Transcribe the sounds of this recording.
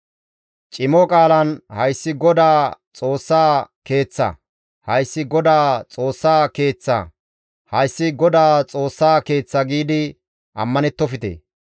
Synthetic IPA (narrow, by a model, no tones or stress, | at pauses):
t͡ʃʼɪmɔkʼaːlɐnhɐjsːɪɡɔd̪aːt͡sʼo̞ːsːaːke̞ːt͡sːɐ̰ | hɐjsːɪɡɔd̪aːt͡sʼo̞ːsːaːke̞ːt͡sːɐ̰ | hɐjsːɪɡɔd̪aːt͡sʼo̞ːsːaːke̞ːt͡sːɐɡiːd̪ɪ | ʔɐ̰mːɐnɛt̪ːɔfɪt̪ḛː